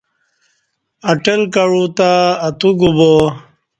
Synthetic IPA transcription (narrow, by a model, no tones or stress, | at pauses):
ɐʈɐlkɐɻut̪aːt̪uɡubo